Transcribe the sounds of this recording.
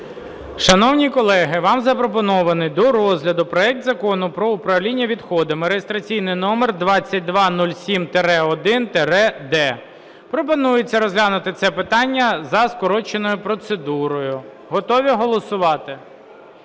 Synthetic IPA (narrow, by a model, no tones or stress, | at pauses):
ʃɐnɔwnʲikɔlˠɛɦɪʋɑmzɐpɾɔpɔnɔʋɐnɪjd̪ɔɾɔzʲlʲɐd̪ʊpɾɔɛk̚t̪zɐkɔnʊpɾɔʊpɾɐwlʲinʲːɐʋʲid̪xɔd̪ɐmɪɾejest̪ɾɐt͡sʲijnɪjnɔmerd̪ʋɑt͡sʲːɐt̚ʲd̪ʋɑnulʲsʲimt̪eɾɛɔd̪ɪnt̪eɾɛd̪ɛ | pɾɔp̬ɔnujet͡sʲːɐɾɔzɦlʲanʊt̪ɪt̪sɛpɪt̪ɑnʲːɐzɐskɔɾɔt͡ʃenɔjʊpɾɔt̪sed̪uɾɔjʊ | ɦɔt̪ɔʋʲiɦɔlˠɔsʊʋɑt̪ɪ